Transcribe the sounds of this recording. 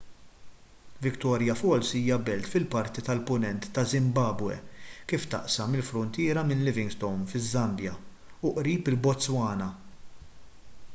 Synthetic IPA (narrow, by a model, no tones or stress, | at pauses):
vɪkt̪ɔːɾjɐfɔlsiːjɐbɛlt̪fɪlpɐɾt̪it̪ɐlpʊnɛnt̪ːɐzɪmbɐːbwɛ̰kiːft̪ɐ̰ʔsɐmɪlfɾʊnt̪ɪːɾɐmɪnlɪvɪŋɡst̪ɔwnfɪzːɐmbjɐ | ʊʔɾiːpɪlbɔt͡sːwɐːnɐ